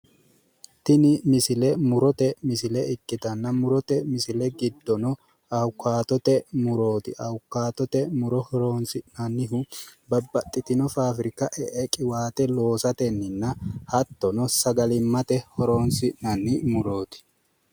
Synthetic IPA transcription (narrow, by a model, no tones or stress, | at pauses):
t̪ɪnɪmɪsɪlɛmʊɾɔt̪ɛmɪsɪlɛɪkʼːɪt̪ɐnːɐmʊɾɔt̪ɛmɪsɪlɛɡɪd̪ːɔnɔ | ɐʊkːaːt̪ɔt̪ɛmʊɾo̞ːt̪ɪʔɐʊkːaːt̪ɔt̪ɛmʊɾɔhɔɾoːnsɪnɐnːɪɦʊbɐbːɐt̪ʼːɪt̪ɪnɔfaːfɾɪkːɐʔɛʔɛkʼɪwaːt̪ɛlo̞ːsɐt̪ɛnːɪnːɐhɐt̪ːɔnɔsɐɡɐlɪmːɐt̪ɛhɔɾo̞ːnsɪnɐnːɪmʊɾo̞ːt̪ɪ̥